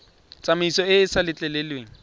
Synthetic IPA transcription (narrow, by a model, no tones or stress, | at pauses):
t͡sʼamɪisɔɪsalɪt͡ɬʼɛlɛlweːŋ̩